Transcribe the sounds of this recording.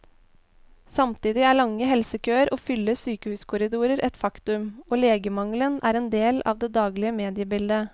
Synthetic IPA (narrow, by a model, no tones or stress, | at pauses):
sɑmt̪iːd̪ɪæːɭɑŋːəɦɛlsəkʰøːəɾʔoːfʏlːəsyːkəhʉːskʰʊɾɪd̪uːɾəɾʔɛt̪fɑkt̪ʉmoːleːɡəmɑŋlənæ̰ːɾɛnd̪eːlɑ̰ːʋd̪ɛːd̪ɑːɡlɪəmeːd̪ɪəbɪld̪ə